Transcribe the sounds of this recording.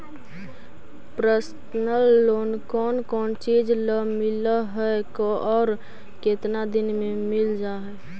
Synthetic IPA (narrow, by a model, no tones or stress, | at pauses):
pɾəs | nəlːoːnkɔːnkɔːnt͡ʃid͡ʒləmɪləɦɛkoʔɔːɾ | ket̪nad̪ɪnmẽmɪld͡ʒaɦɛ